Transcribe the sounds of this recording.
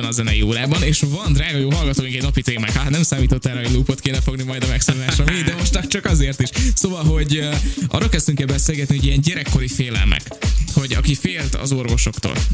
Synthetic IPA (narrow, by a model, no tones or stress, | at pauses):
ɛnɒzɛnɛjioːɾaːbɒneːʃvɒnd̪raːɡɒjoːɦɒlɡɒt̪oːjiŋkɛɟnɒpit̪eːma̰ːŋkhanɛmsaːmiːt̪o̞t̪ːɛɾɛɦoɟluːpot̪keːnɛfo̞ɡnimɒjd̪ɒmɛksonulaːʃɒmid̪ɛmo̞ʃt̪t͡ʃɒk̚t͡ʃɒkɒzeːrt̪iʃsoːvɒlɦo̞ɟʔɒ̰ːrːolkɛst̪yŋkːɛlbɛseːlɡɛt̪niɦoɟijɛɲɟɛɾɛkːo̞ɾifeːlɛ̰lnʔɛ̰kho̞ɟɒ̰kifeːlt̪ɒ̰zo̞rvo̞ʃo̞kt̪o̰ːl